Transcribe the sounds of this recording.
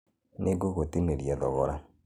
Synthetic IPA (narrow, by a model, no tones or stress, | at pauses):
neɡoɣotimeɾjaðɔɣɔɾa